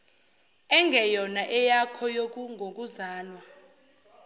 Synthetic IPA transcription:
ɛŋɡʱɛjɔnaʔɛjakʰɔjok̬uŋʱok̬uzaːlwa

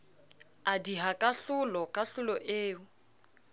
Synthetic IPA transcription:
adiɦakʼaɬʊlɔkʼaɬʊlɔʔeːʊ

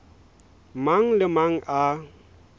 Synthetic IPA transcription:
maŋləmaŋa

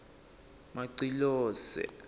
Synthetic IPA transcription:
maǀilɔːsɛ̰

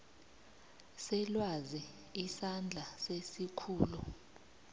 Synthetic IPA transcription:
sɛlwazi | isand͡ɮʱasesikʰuːlu

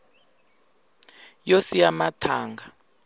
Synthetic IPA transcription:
josijamatʰaːŋɡʱa

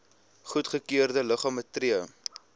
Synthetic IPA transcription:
χutχəkiərdələχɑːmətriə

